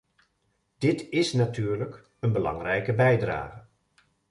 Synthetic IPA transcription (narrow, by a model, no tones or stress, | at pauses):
d̥ɪtɪsnatʰyːɹlək | ənbəlɑ̰ŋrɛjkəbɛjdra̰ːɣə